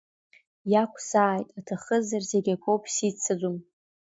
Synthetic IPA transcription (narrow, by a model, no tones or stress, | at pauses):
jakʷʰʼsaːjtʼatʰaχəzarzeɡʲakʷʰowpʰʼsit͡sʰad͡zum